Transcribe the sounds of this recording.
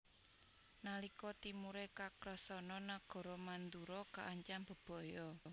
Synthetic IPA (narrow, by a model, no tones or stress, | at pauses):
nalikɔt̪imuɾekakɾəsɔnɔnaɡ̥ɔ̤ɾɔmand̪uɾɔkaʔːɲt͡ʃamb̥ə̤b̥ɔ̤jɔ